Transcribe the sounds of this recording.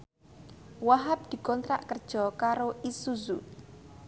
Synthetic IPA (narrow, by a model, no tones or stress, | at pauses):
waɦap̚d̪̥i̤kɔnt̪ɾaʔkərd̥ʒ̥ɔkaɾoʔisuzu